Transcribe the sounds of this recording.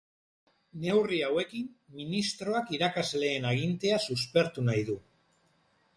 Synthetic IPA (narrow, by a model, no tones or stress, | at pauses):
ne̞wriawe̞kimminist̪ɾo̞akiɾakazle̞ːnaɣ̞int̪e̞asuspe̞ɾt̪unajðu